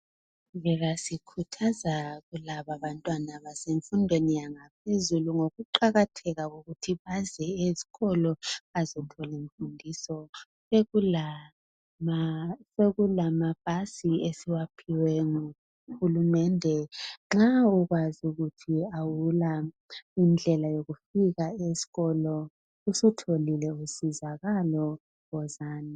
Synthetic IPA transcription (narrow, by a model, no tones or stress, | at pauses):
ɣɛɣasikʰutʰazaɣulaβaβantʼwanaβaseɱfundʱwenijaŋapʰezuluŋoɣuǃaɣatʰɛɣaɣuɣutʰiβazɛezi̥ɣɔlɔazɔtʰɔleɱfundʱisɔ | e | seɣulamab̥̚ʱasiesiwapʰiwɛŋu | xulumɛndʱɛŋ͡ǁauɣwazuɣutʰiawula | ind͡ɮʱɛlajoɣufiɣaezi̥ɣɔlɔ | usutʰolilɛusizaɣalɔ | ɣɔzaːni